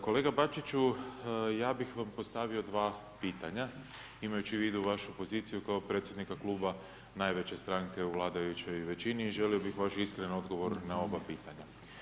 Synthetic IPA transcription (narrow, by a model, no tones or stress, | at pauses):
ko̞le̞ːɡabat͡ʃit͡ʃu | jaːbixʋampo̞st̪aʋio̞d̪ʋaː | piːt̪aɲa | imajut͡ʃiʋiːd̪uʋaʃupo̞ziːt̪sijukaopɾe̞ːt̪sje̞d̪nikaklˠuːba | najʋe̞t͡ɕe̞st̪ɾaŋke̞uʋlˠaːd̪ajut͡ɕo̞jʋe̞t͡ɕiniːʒe̞lio̞bixʋaʃiskɾenano̞d̪ɡo̞ʋo̞ɾnao̞bapiːt̪aɲa